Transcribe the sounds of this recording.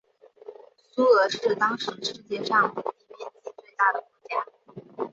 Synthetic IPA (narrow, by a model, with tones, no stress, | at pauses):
su˥ɤ˧˥ʂɻ̩˥˩t̪ɑ˥ŋʂɻ̩˧˥ʂɻ̩˥t͡ɕjɛ˥˧ʂɑ˥˩ŋwi˥˩pjɛ˥˧nt͡ɕi˥˧t͡swe˥˧ɪt̪a˥˩d̪ə˩kɔ˧˥t͡ɕja˥˩